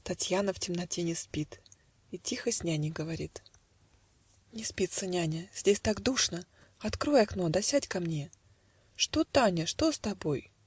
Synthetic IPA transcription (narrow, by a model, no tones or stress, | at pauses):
t̪ɐtʲjanəftʲɪmnɐtʲenʲɪspʲit̪ | itʲixəsʲnʲænʲɪɡəvɐɾʲit̪ | nʲɪspʲit̪sənʲænʲəz̥ʲdʲesʲt̪aɡd̪uʂnə | ɐt̪kɾo̞jɐkno̞d̪ɐsʲætʲkɐmnʲe | ʂt̪o̞t̪anʲəʂt̪o̞st̪ɐbo̞j